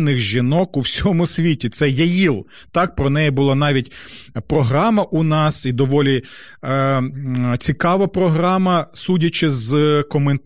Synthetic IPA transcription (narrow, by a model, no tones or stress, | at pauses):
nɪɣʒinɔkuwsʲɔmʊsʲʋʲitʲit̪sɛjɐjilˠ | t̪ɑk̚pɾɔnɛjibʊlˠɑnɑʋʲitʲpɾɔɦɾɑmɐʔʊnɑsid̪ɔʋɔlʲi | t͡sʲikɑʋɐpɾɔɦɾɑmɐsudʲɐt͡ʃɪzkɔmen